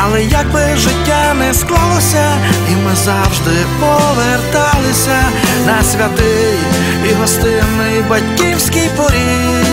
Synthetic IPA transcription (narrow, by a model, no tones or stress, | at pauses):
ɐlˠɛjakbɪʒɪtʲːanɛsklˠalˠɔsʲɐ | imɪzawʒd̪ɪ | pɔʋɛrt̪alˠɪsʲɐnɐsʲʋʲɐt̪ɪ | j | ʋiɦɔst̪ɪnːɪjbɐtʲkʲiwsʲkʲijpɔɾʲi